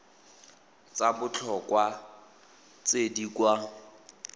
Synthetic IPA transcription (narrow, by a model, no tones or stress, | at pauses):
t͡sabʊt͡ɬʰɔkʼwa | t͡sedikʼwa